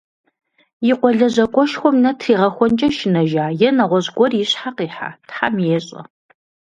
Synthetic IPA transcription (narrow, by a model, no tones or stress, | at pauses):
jɪqʷɔɮɐʑɐkʷʼɔʃxʷɔmnɐtʰriːʁɐxʷɔnt͡ʃʼɐʃɪnɐʒaːjɛnɐʁʷɔʑɡʷɔrjɪɕħaqiːħa̰ːtħa̰mjeːɕʼɐ̰